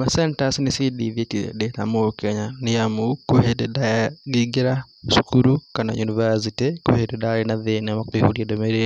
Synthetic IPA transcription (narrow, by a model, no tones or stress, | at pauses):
masentasinisidiðetiḛdeta̰mokeɲanijamukuhededaɡiɡeɾa | ʃukuɾukana̰junivas̬itiko̰hededaɾenaðenamakwihuɾjadomeɾe